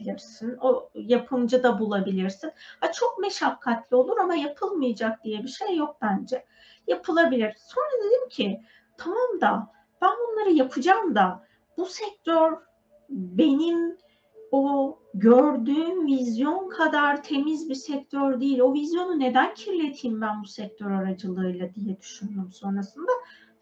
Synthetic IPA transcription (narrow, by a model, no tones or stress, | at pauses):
iɾsinojapʰɯmd͡ʒad̪abulˠabilʲiɾsinhat͡ʃʰo̞k̚me̞ʃakʰːat̪lʲio̞lˠuɾamajapʰɯlˠmɯjad͡ʒak̚d̪̥ijɛbiʃejːo̞k̚bænd͡ʒɛ | japʰɯlˠabilʲiɾ̥so̞nɾad̪ed̪imcʰɪ | t̪ʰamamd̪a | b̥ænbunlˠaɾɯjapʰɯd͡ʒamd̪a | b̥usɛc̚t̪ʰøɾ | be̞nim | o | ɟøɾd̪yːnvizjo̞nkʰad̪aɾt̪ʰe̞mizbisɛc̚t̪ʰøɾd̪ijilʲo̞vizjo̞nune̞d̪æncʰiɾlʲe̞t̪ʰiːmbænbusɛc̚t̪ʰøɾaɾad͡ʒɯlˠɯɯjlˠad̪ijɛd̪yʃynd̪ymso̞nɾasɯnd̪a